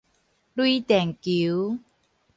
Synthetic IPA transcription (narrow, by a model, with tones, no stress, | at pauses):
lwi˦t̪ɛ˨˩ŋki˨˦w